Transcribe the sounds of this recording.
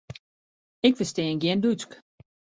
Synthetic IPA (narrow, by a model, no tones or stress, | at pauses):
ɪkfəstɛːŋɡjɛndyt͡sk